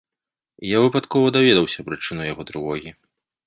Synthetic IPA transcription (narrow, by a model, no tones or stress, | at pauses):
javɨpat̪kɔvɐd̪avʲɛd̪ɐwsʲɐpɾɨt͡ʂɨnujaɣɔd̪ɾɨvɔɣʲi